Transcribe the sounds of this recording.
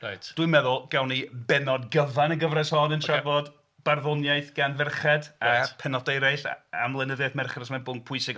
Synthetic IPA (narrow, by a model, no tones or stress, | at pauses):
rajtd̥wɨmɛðʊlˠɡ̥awnibɛnɔdɡəvanəɡəvrɛshɔːnəntʰravɔd | b̥arðʊnjajθɡ̥anvɪrχɛdapʰɛnɔdejɾajɬa̰mlˠɛnəðɛθmɛrχɛdɔsmɛnbʊnpʰʊɨsɪɡ